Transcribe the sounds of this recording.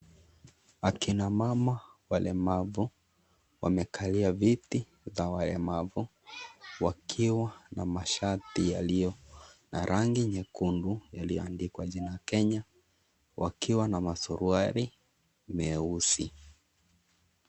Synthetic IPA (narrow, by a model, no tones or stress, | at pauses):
akinamamawalɛmavu | wʔa̰mɛkʰaliaviti | zawalɛmavu | wakʰiwanamaʃatijalijɔna̰ɾʔaŋɡiɲɛkundujalijɔ̰andikwaʄinaakɛɲa | wʔa̰kiwanamasuɾuaɾi | mɛusḭ